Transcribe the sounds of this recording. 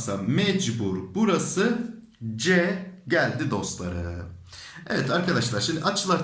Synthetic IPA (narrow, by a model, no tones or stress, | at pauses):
sa̰mɛd͡ʒbuɾbuɾasɯ | d͡ʒɛɟælʲd̪id̪o̞st̪lˠa̰ɾɯ̰ | ɛvɛt̪aɾkad̪aʃlˠaɾʃimd̪iʔat͡ʃʰlˠaɾ